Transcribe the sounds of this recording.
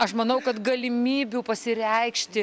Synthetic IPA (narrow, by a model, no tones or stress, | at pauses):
ɐʃmɐnɐʊkɐt̪ɡɐlʲɪmʲiːbʲupɐsʲɪɾʲɛɪkʃʲt̪ʲɪ